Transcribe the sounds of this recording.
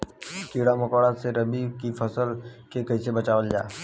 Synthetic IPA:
kiːɽamɐkoːɽaseɾɐbikifʰɐsəlkekɐisebɐt͡ʃaːʋəld͡ʒaː

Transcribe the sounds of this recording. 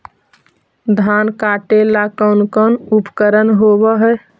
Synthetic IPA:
d̪ʱankaʈelakəʊnkənupkəɾənɦobəɦɛ

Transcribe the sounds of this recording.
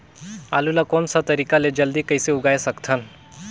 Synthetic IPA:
a̰lulakonsat̪əɾikaled͡ʑəld̪iːkəjseuɡajesəkt̪ʰən

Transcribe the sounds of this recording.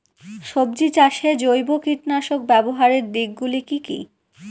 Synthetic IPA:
ʃobd͡ʑit͡ɕaʃed͡ʑojbokiʈnaʃok̚bɛboɦaɾeɾd̪iɡ̚ɡulikikḭ

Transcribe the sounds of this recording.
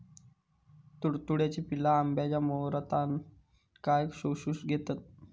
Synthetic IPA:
t̪uɽt̪uɽjat͡ɕiːpilaːmbjat͡ɕjamowɾət̪an | kajkɕoɕuːsɡʱet̪at̪̚

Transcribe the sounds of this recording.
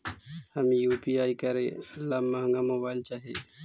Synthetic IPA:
həmĩjuːpiaːikəɾẽlaːmːaːŋɡamoːbaːɪlt͡ʃaːɦieː

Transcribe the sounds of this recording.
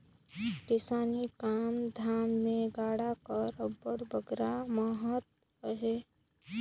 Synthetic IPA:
kɪsaːnikaːmd̪ʱaːmːẽɡaːɽakəɾəbəɽbəɡɾamaɦət̪̚ | əɦeː

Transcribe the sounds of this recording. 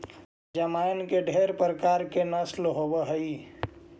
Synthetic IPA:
d͡ʒəmankeɖʱeːɾpɾəkaɾkenəslɦobəɦəi

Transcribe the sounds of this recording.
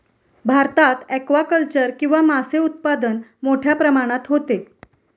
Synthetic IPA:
bʱaɾt̪at̪ɛkʋakəlt͡ɕəɾkĩʋamaseut̪̚pad̪ənmoʈʰjapɾəmaɽ̃at̪ɦot̪e

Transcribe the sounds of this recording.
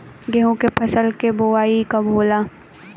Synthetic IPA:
ɡeɦũkepʰɐsəlkeboaːikabʱoːlaː

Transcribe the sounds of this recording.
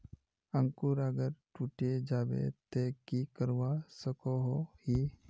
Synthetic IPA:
ə̃ŋkuɾəɡəɾʈuːʈed͡ʒaːʋḛt̪ekikəɾwasəkoɦohi

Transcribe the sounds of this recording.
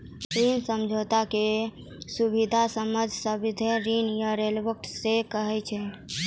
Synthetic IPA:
ɾinsəmd͡ʒʱot̪ake | subid̪ʱasəməd͡ʒʱsəbid̪ʱeɾinjəɾelbək̚ʈsekəɦɛt͡ʃʰɛ

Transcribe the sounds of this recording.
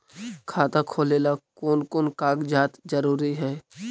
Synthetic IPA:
kʰaːt̪akʰoːleːlakoːnkoːnkaːɡd͡ʒaːt̪d͡ʒɐɾuːɾiɦɛː

